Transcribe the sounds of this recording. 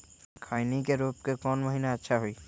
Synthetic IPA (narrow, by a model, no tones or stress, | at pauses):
kʰaːɪnikeɾoːp̚kekɔːnməɦiːnaətːʃʰaɦoiː